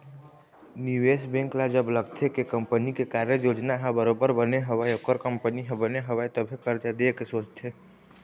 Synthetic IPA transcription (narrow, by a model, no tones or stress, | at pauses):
niʋeːsbɛ̃ːŋklad͡ʒəbləɡt̪ʰekekə̃mpənikekaːɾjəjoːd͡ʒnaɦə̃bəɾoːbəɾbəneɦɐʋajokəɾkə̃mpəniɦəbəneɦɐʋaet̪obʱikəɾt̪ad̪ekesoːt͡ʃt̪ʰeː